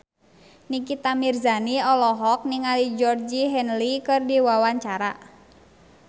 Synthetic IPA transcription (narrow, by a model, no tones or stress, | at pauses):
nikit̪amirzaniɔlɔɦɔk̚niŋalid͡ʒɔrd͡ʒiɦɛnlikɨrdiwawaɲt͡ʃaɾa